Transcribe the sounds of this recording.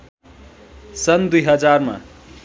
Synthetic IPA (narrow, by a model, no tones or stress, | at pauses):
sʌnd̪ujɦʌd͡zarma̰